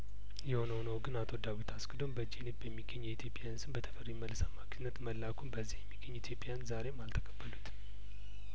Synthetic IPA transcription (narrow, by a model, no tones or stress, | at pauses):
jɛho̞nəwnəwɡɨnat̪ʰo̞d̪awit̪ʰaskʰʼɨd̪ombəd͡ʒelibjɛmːiɡːəɲːjɛit̪ʰjo̞pʼːjansɨnbət̪ʰə̥fəɾimːəlːsamakʰɨnːət̪məlːakʰumbəzːihjɛmːiɡːəɲːit̪ʰjo̞pʼːjanzaɾe̞malt̪ʰə̥kʰʼəbːəlut̪ʰ